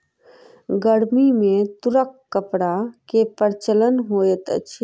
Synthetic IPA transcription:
ɡəɽmimẽt̪uɾəkːəpɽakepəɾt͡ʃələnɦojət̪ə̰t͡ʃʰ

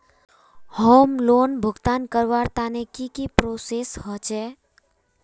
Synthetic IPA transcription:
hoːmloːnbʱʊɡt̪aːnkəɾʋaɾt̪anekikipɾoseshɔt͡ʃɛ

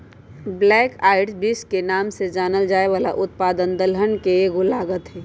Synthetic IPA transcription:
blɛːkaːɪɖsbɪskenaːmsed͡ʒaːnəld͡ʒaːeʋaːla̰ʔʊt̪̚paːd̪ənd̪əlɦənkeɡʊlaːɡət̪ɦɛː

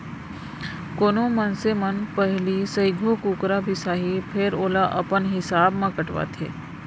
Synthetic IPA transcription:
koːnõmənsemənpɛɦlisəɪɡʱokuːkɾabʱisaːɦipʰɪɾoːlaʔɐpənɦɪsaːbmãkəʈʋa̰ːt̪ʰḛː

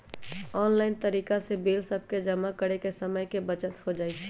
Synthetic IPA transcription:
ɔːnlaːɪnt̪əɾiːkasebeːlsəb̚ʱked͡ʒəmakəɽekesəməjkebət͡ʃət̪hod͡ʒaːit͡ʃʰɛ̥

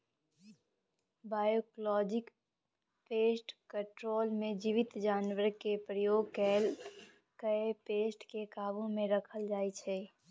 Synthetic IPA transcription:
baːjoklɔːd͡ʒɪk | peːsʈkəʈɾoːlmẽd͡ʒiʋɪt̪d͡ʒaːnwəɾkepɾəjoːɡ̚kɛːl | kəepeːsʈkekaːbõmẽɾəkʰəld͡ʒaːit͡ʃʰɛː

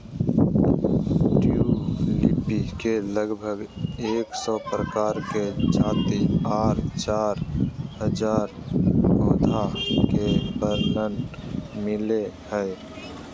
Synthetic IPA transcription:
ʈulipikeləɡbʱəɡeːksɔpɾəkaːɾked͡ʒaːt̪iaːɾt͡ʃaːɾɦəd͡ʒaːɾ | oːd̪ʱakepəɾnənmɪlehə

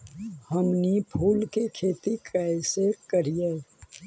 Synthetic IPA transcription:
həmnipʰuːlkekʰeːt̪ikaɪsekəɾijeː

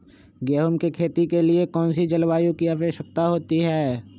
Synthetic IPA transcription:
ɡeːɦomkikʰeːt̪ikeliekɔːnsid͡ʒəlʋaːjũkiaːʋəʃək̚t̪aɦoːt̪iɦɛː

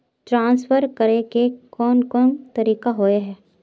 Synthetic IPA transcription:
ʈɾãːnsfəɾkəɾekekɔːnkɔːnt̪ɐɾiːkaɦoːeɦɛː

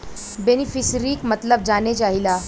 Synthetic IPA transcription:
benifisɾiːkmət̪ləb̚d͡ʒanet͡ʃaɦila

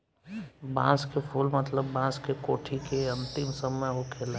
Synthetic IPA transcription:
bã̰ːskepʰuːlmət̪ləbːãːskekoːʈʰikeɐ̃nt̪ɪmsəməjɦokʰeːl

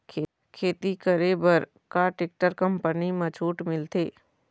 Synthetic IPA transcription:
kʰː | kʰeːt̪ikəɾebəɾ | kaʈɪk̚ʈəɾkɐ̃mpənimɐt͡ʃʰuːʈmɪlt̪eː

